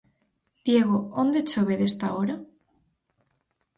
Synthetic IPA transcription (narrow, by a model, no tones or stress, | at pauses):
d̪̥jeɣoond̪et͡ʃoβeðest̪aoɾa